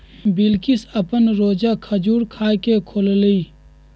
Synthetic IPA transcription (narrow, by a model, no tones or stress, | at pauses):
bɪlkɪsəpənɾoːd͡ʒakʰəd͡ʒuːɾkʰaːkekʰolliː